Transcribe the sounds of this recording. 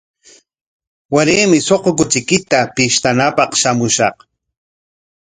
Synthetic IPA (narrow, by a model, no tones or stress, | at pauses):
waɾeːmɪsoqokʊt͡ʃɪkɪt̪apɪʃt̪anapɑqʃamʊʃɑq